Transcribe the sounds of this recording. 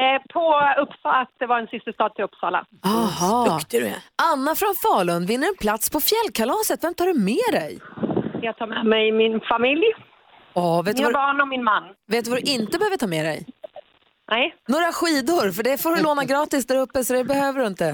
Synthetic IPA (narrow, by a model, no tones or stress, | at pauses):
pʰɔɵpsɑat̪̚d̪ɛvaɾɛnsɪst̪əst̪ɑːd̪̚t̪ʰɪlɵpsɑ̰ːla̰ | ɑhɑːkt̪ɛ̰anːafɾɔnfɑːɭɵnd̪vɪnːəɾɛnpʰlat̪spʰɔfjɛlːkʰalɑːsət̪vɛmt̪ʰɑːɖɵmɛːd̪ɛjjɑːɡ̚t̪ʰɑːɾmɛmɛjmɪnfamɪlj | ɔːveːt̪bɑːnɔmɪnmanːveːt̪̬ːɵvad̪ɵʔɪnt̪əbɛhøːvəʈʰɑːmɛd̪ɛ̰j | nɛjnoːɾaɧiːd̪ʊɾfœɖɛfoːɾloːnaɡɾɑːt̪ɪsd̪æːɾɵpːəsɔd̪ɛbɛhøːvəɖɵɪnt̪ə